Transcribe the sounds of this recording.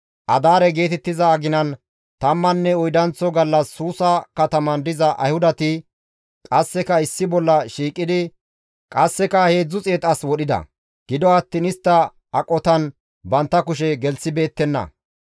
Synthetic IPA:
ʔɐd̪aːɾɛɡe̞ːt̪ɛt̪ːɪzɐːɡɪnɐn | t̪ɐmːɐnːɛɔjd̪ɐnt͡sːɔɡɐlːɐsːuːsɐkɐt̪ɐmɐnd̪ɪzɐʔɐ̰jhʊd̪ɐt̪ɪ | kʼɐsːɛkɐɪsːɪbɔlːɐʃiːkʼːɪd̪ɪ | kʼɐsːɛkɐhe̞ːd͡zːʊt͡sʼe̞ːt̪ʼɐswɔɗɪd̪ɐ̰ | ɡ̥ɪd̪ɔɐt̪ːɪnɪst̪ːɐ | ɐkʼːɔt̪ɐn | bɐnt̪ːɐkʊʃ̬ɛɡɛlsɪbe̞ːt̪ːɛnːɐ̰

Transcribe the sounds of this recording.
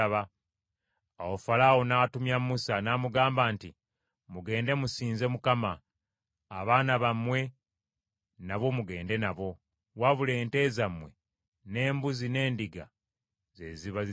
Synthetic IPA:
aβa | awofalaːwo̞natumjamusanaːmuɡaːmbaːnti | muɡe̞ːnde̞musiːnze̞mukamaː | βaːnaβamwe̞ | naβo̞muɡe̞ːnde̞naβo̞ | waβule̞ːnte̞zamwe̞̰ | ne̞ːmbuzine̞ːndiɡa̰ | ze̞ziβa

